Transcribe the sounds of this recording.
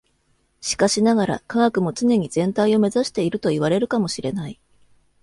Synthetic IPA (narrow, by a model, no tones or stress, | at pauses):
ɕi̥kaɕinaɡaɾa̰kaɡakɯ̟mo̞t͡sɨne̞ɲ̟iz̥ẽ̞nt̪aio̞me̞zaɕi̥t̪e̞iɾɯ̟t̪o̞iβaɾe̞ɾɯ̟kamo̞ɕiɾe̞nai